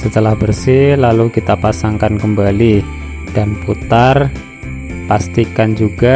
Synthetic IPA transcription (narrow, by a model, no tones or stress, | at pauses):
sət̪əlahbərsɪhlalukit̪apasaŋkankəmbali | d̥anput̪ar | past̪ikand͡ʒuɡ̥a